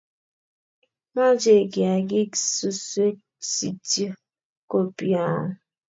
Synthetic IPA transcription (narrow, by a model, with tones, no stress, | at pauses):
ma˦d͡ʒe˨ɡi˨a˨ɡi˦su˨su˦e˦ | si˨ti˦ | ko˨pi˦˨a˦˨